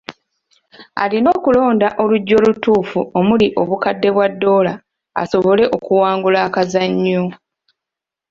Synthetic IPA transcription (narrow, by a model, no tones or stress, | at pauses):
a̰lino̞ːkulo̞ːndaʔo̞luɟːo̞lutuːfuo̞muliʔo̞βukadːe̞βwadːo̞ːla | a̰so̞βo̞le̞ʔo̞kuwaːŋɡulakazaɲːo